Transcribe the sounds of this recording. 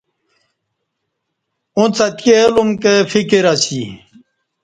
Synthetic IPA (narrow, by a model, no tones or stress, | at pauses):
ũt͡sɐt̪kelumkefikiɾasi